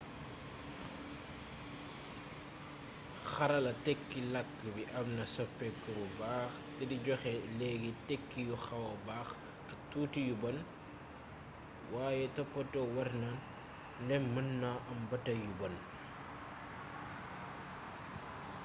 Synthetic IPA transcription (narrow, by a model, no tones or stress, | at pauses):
xɐɾɐlɐtɛkːilɐkːəbiʔɐmnɐsɔpːɛkːəbubaːxtɛdiɟɔxɛlɛːɡitɛkːijuxɐwɐbaːx | ɐtuːtijubɐn | waːjɛtɐpːɔtɔwɐrnan | lɛmənːaʔɐmbɐtɐjubɐn